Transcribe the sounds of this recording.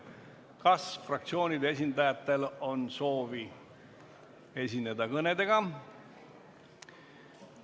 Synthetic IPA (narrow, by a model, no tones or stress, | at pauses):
kɑsfrɑk̚t̪sio̞ːnʲid̪ee̞s̬ʲind̪ɑjɑt̪ːe̞lo̞nso̞ːvi | e̞sʲinːe̞d̪ɑkɤne̞d̪e̞ɡɑ